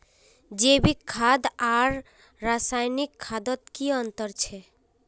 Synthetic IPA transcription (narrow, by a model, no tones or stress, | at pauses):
d͡ʑebikʰːad̪aɾː | asajnikʰːad̪ot̪kiɔnt̪ɔɾt͡ɕʰe